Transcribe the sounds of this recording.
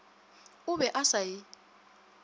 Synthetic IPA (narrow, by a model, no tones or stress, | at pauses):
ʊβɛʔasaji